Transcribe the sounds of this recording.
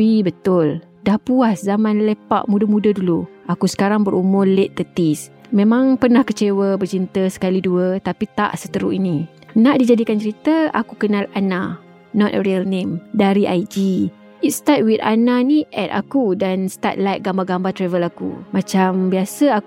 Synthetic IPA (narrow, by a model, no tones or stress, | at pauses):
bibət̪ʊl | dahpuaszamãnlepa̰ʔmudəmudəduluakusə̥kaɾaŋbəɾumʊleʔt̪ət̪is | mẽmãŋpərnahkət͡ʃewəbərt͡ʃint̪əsə̥kaliduət̪apit̪a̰ʔsət̪əɾuini | naʔdid͡ʒadikant͡ʃəɾit̪əa̰kukənalana | nɔt̪̚ə̰ɾiəlnẽmdaɾiʔajd͡ʒi | it̪̚st̪at̪̚wit̪a̰naniʔɛ̰t̪̚a̰kudansət̪a̰t̪̚lajt̪̚ɡambaɡambat̪ɾɛvəlakṵmãt͡ʃambiasəa